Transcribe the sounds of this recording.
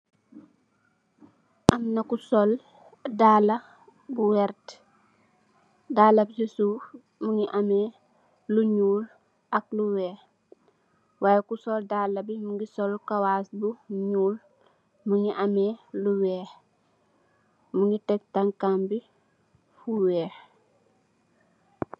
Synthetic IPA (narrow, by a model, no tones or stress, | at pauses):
ʔamnɐkusɔl | daːlɐ | buwɛɾt | daːlɐbsisuːf | muŋiʔameː | luɲuːl | ʔak̚luwɛːh | waːjekusɔldaːlːɐbimuŋɡisɔlkawaːsbuɲuːl | muŋiʔamɛːluwɛːh | muŋɡitɛk̚taŋkambi | fuwɛːx